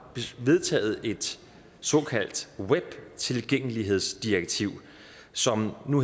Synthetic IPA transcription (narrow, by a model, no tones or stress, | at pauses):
ʋe̝ðˠt͡sʰɛ̰ːð̞̩ˠe̝d̥ | sɒ̽kʰæl̰d̥web̥t͡sʰe̝lɡ̥eŋ̰əliɦe̝ð̞̰ˠsd̥ieɡ̥̚t͡sʰiʊ̰ | sɒ̽mnu